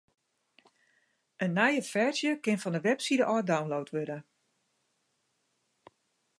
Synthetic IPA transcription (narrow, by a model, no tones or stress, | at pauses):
ʔənːɛjəfɛɹzjəkɪnfɔndəʋɛpsidəʔɔːdawnlowtʰʋødə